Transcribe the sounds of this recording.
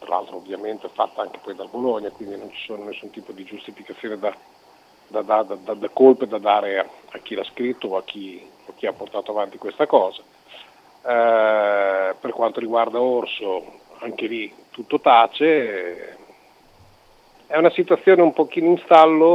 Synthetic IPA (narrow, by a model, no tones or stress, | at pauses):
t̪ɾa̰la̰lt̪ɾoovːjament̪eɛfːa̰t̪ːaaŋk̟e̥pɔjd̪alaboloɲːakwind̪inont͡ʃi̥soːnonesːunt̪iːpod̪id͡ʒust̪ifikat̪sːjoːned̪a | d̪ad̪ad̪ad̪ad̪akolped̪ad̪aːɾeak̟ːilaskɾit̪ːooak̟ːiak̟ːiapːort̪aːt̪oavant̪ikwest̪akɔːza | perkwant̪oɾiɡward̪aorso | aŋk̟eli | t̪ut̪ːot̪aːt͡ʃe | ɛunasit̪wat̪sːjoːneumpok̟iːnoinst̪alːo